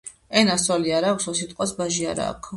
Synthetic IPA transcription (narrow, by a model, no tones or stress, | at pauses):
ɛnasɔliaɾaksɔsit̪ʼqʼwasbaʒiaɾa̰ːkʰ